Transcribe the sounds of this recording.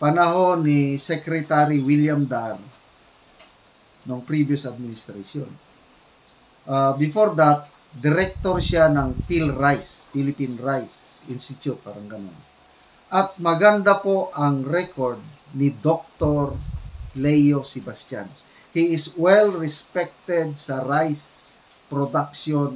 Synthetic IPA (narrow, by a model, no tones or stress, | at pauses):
pɐnɐɦo̞nisɛkɾɛt̪aɾiwiljamd̪aɾ | noŋpɾibjʊsɐd̪̚mɪnɪst̪ɾasjo̰n | ʔabɪfoɾd̪at̪̚ | d̪ɪɾɛk̚t̪oɾsanɐŋpilɾajspilɪpinɹajsʔɪnst̪ɪt͡ʃ̪jʊt̪̚paːɾɐŋɡɐno̰n | ʔɐt̪̚mɐɡɐnd̪apo̞ʔɐŋɾɛkoɹd̪̚nɪd̪ok̚t̪oɾlɛjosɛbast̪a̰n | hiɪswɛlɹɛspɛk̚t̪ɛd̪̚sɐɾajs | pɾod̪akʃon